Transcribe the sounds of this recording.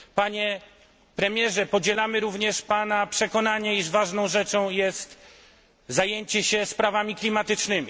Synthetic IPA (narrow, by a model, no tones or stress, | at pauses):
paɲɛ | pɾɛmʲjɛʐɛpɔd͡ʑɛlamɘɾuvɲɛʂpanapʂɛkɔnaɲɛiʐvaʐnɔ̃w̃ʐɛt͡ʂɔ̃w̃jɛst̪ | zajeɲt͡ɕɛɕɛspɾavamʲiklʲimat̪ɘt͡ʂnɘmʲi